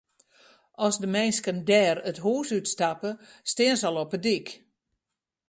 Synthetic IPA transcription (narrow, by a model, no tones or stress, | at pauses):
ɔsdəmɛjnskəndɛːrətɦuːsytstapəstɪənsɔlˠɔpədik